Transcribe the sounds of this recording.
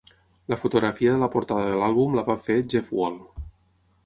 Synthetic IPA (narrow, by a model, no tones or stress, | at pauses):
ləfut̪uɣɾafiəðələpuɾt̪aðəðəlalˠβumlaβafed͡ʒɛfwol